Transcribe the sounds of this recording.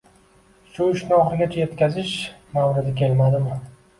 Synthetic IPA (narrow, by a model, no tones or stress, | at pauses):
ʃʊɪʃnɒχɪɡʲat͡ʃʰaje̞t̪kʲazɪʃmawɾɪd̪ɪkʲe̞lmad̪ɪmɪ